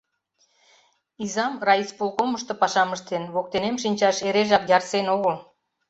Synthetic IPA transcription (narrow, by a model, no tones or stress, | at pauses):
izɑmrɑit͡spulkoməʃt̪ŏpɑʃɑməʃt̪enβok̚t̪enemʃinʲt͡ɕɑʃeɾeʒɑkjɑrsenoɣəl